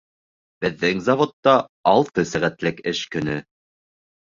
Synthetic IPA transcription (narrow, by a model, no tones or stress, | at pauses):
b̥ɘ̆ðːɘŋzɑvot̪ːɑːlˠt̪ɤsæʁæt̪lɘkɘʃkɵ̆nɵ